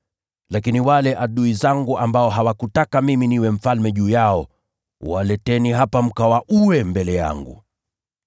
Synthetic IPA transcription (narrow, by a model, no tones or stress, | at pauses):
lakiniwalɛʔaɗuizaŋɡuʔambaɔɦawakutakamiminiwɛm̩falmɛʄuːjaɔ | walɛtɛniɦapam̩kawaʔuwɛmbɛlɛja̰ŋɡṵ